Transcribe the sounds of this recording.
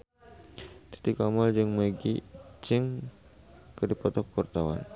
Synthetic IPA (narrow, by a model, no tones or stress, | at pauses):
t̪i̥t̪ikamɔld͡ʒɨŋməɡḭd͡ʒɨŋ | kədipɔt̪ɔkpurt̪awa̰n